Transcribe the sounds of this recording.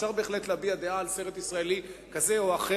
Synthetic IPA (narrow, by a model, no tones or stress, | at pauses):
ʃaʁbe̞ːχlet̪leabiad̪eaːlseʁet̪isʁaelikazeoaχe